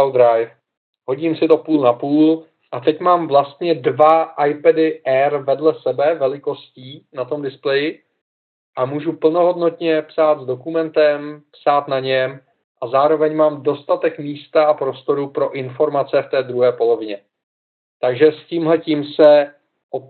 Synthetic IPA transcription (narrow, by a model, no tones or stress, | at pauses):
wd̪ɾajf | ho̞ɟimsɪt̪o̞puːlnapuːl | ʔat̪ɛcmaːmvlast̪ɲɛdvaʔajpɛdɪʔɛɾvɛdlɛsɛbɛvɛlɪko̞sciːnat̪o̞mdɪsplɛjɪ | ʔamuːʒupl̩no̞ɦo̞dno̞t̪ɲɛpsaːt̪zdo̞kumɛnt̪ɛmpsaːt̪naɲɛm | ʔazaːɾo̞vɛɲmaːmdo̞st̪at̪ɛkmiːst̪aapɾo̞st̪o̞ɾupɾo̞ʔɪnfo̞ɾmat͡sɛft̪ɛːd̪ɾuɦɛːpo̞lo̞vɪɲɛ | t̪aɡʒɛsciːmɦlɛciːmsɛ | ʔo